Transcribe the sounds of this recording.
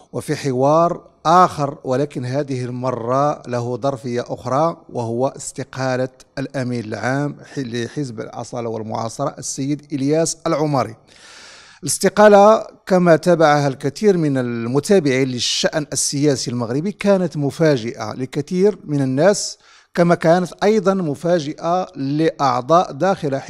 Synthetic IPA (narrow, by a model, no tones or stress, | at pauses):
wəfiħɪwɑɾˤʔæːxɑɾˤwəlækənɦæd̪əhəlmɑrˤːɑlæɦud̪ˤɑɾˤfəjːaʔʊxɾˤɑwəhʊwːaʔəst̪ɪqɑlaəlʔæminəlʕamləħəs̬bə̰lʕɑ̰sˤɑlɑwə̰lmʊ̰ʕɑ̰sˤɑɾˤɑʔəsːəjːəd̪ʔəljæsʔəlʕʊmɑɾḭ | ʔələst̪ɪqɑlakæmæt̪æbaʕahælkæt̪iɾmənəlmʊt̪æbɪʕiləʃːaʔnəsːəjæsilməɣɾəbikænət̪mʊfæʒɪʔa̰ləkæt̪iɾmənənːæs | kæmækænət̪ʔɑjd̪ˤɑnmʊfæʒɪʔaləʔɑ̰ʕd̪ˤɑʔd̪æxɪlaħ